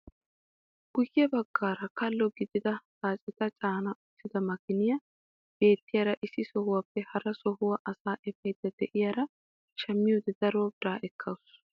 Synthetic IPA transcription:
ɡ̥ʊjːɪɐbɐɡːaːɾɐkɐlːɔɡɪd̪ɪd̪ɐtaːt͡ʃʼɛt̪ɐt͡ʃʼaːnɐʔʊt̪ːɪd̪ɐmɐkɪnɪjɐ | b̥e̞ːt̪ːɪjaːɾɐʔɪsɪsɔhʊwaːpːɛhɐɾɐsɔɦʊwɐʔɐsaːʔɛfɛd̪ɐd̪ɛʔɪjaːɾɐ | ʃɐmːɪjod̪ɛd̪̥ɐɾoːbɪɾaːʔɛkʰːɐwʊs

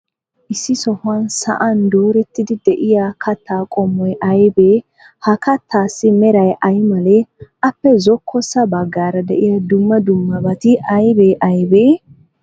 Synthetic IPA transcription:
ʔɪsːɪsɔhʊɐnsɐ̰ʔɐnd̪uːɾɛt̪ːɪd̪ɪd̪ɛʔɪjakʰɐt̪ʰːaːkʼɔmːɔjʔɐjbeː | hɐkɐt̪ʰːaːsːɪmɛɾɐjʔɐjmɐleʔɐpːɛzɔkʰːɔsɐbɐɡːaːɾɐd̪ɛ̰ʔɪjad̪ʊmːɐd̪ʊmːɐbɐt̪ɪʔɐjbeːʔɐjbeː

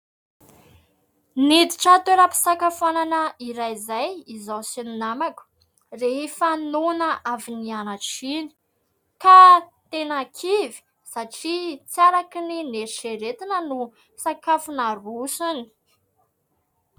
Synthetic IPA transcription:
nid̪i̥ʈ͡ʂat̪eɾəpi̥sakafuananəiɾajzajizawsininamaku̥ | reefanunəʔavinianaʈ͡ʂini̥ | kat̪enakʰivi̥ | saʈ͡ʂit͡saɾakinineɾiʃeɾet̪inənu | sakafunarusuni̥

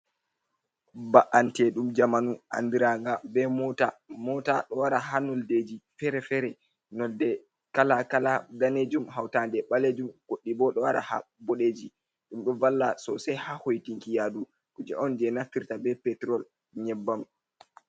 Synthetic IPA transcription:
baʔantɛɗumd͡ʒamanuʔa̰ndiɾaŋɡabɛɔtamɔta̰ɗɔwaɾaɦanɔlded͡ʒifɛɾɛfɛɾɛ | nɔldɛ | kalakaladaned͡ʒumɦawtandɛɓaled͡ʒumɡ̥oɗːibɔɗɔwaɾa̰ha̰boɗed͡ʒi | ɗumɗɔvalːasɔsajhahojtiŋkijadu | kud͡ʒɛ̰ʔɔnd͡ʒɛnafiɾtabɛpɛtɾɔl | ɲɛbːam

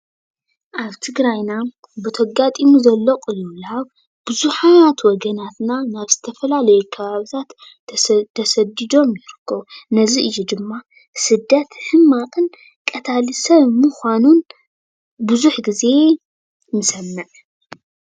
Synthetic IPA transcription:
ʔaβt̪ʰɨɡɾajna | bɨt̪ʰɐɡat̪ʼimuzɐlːɐqʼɨjːulaβ | b̥ɨzuħaat̪wɔɡɐnat̪nanaβz̥ɨt̪ʰɐfɐlalɐjɛkʰɐβaβɨt̪ʰat̪ | t̪ʰɐsɐd̪id̪o̞mjɪɾɨkʰːɐβnɐziʔɨjːud̪ɨmːa | sɨd̪ːɐt̪ħɨmːaqʼɨn | kʼɐt̪ʰalɨsɐβmɨxʷanun | bɨzuħɡize̞ | mɨsɐnːɐʕ

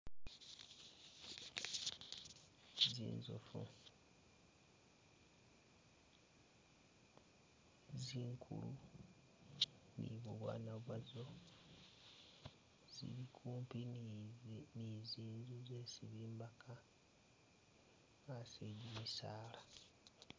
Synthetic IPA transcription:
zḭːnzo̰fṵ | ziːŋkʰṵlu | nḭβuβwa̰ːnaβwazo̞ | z̥ḭβikʰuːmpi | niziːnzuzesiβiːmbakʰa | ŋaseɟimisaːla

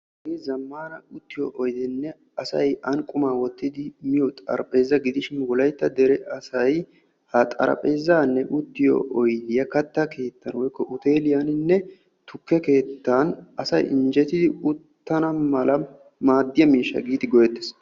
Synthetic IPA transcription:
ɡiːzɐmːaːnɐʊt̪ːɪjɔ̰ʔɔjd̪ɪnːɛ | ɐsɐ̰jɐŋkʼʊmaːwɔt̪ːɪd̪ɪmɪjɔt̪ʼɐ̰ɾpʼe̞ːzːɐɡɪd̪ɪʃɪnwɔlɐjt̪ːɐd̪ɛɾɛʔɐsɐj | hɐt̪ʼɐ̰ɾɐ̰pʼe̞ːzaːnːɛʔʊt̪ːɪjo̰ʔɔjd̪ɪjɐkɐt̪ːɐkʰe̞ːt̪ːɐnwɔjkːɔʔʊt̪e̞ːlɪjanɪnːɛ | t̪ʊkːɛke̞ːt̪ːanɐsɐjɪnd͡ʒɛt̪ɪd̪ɪʊt̪ːɐnɐmɐlɐ | maːd̪ːɪjɐmiːʃːɐ̰ɡiːd̪ɪɡɔjɛt̪ːe̥s

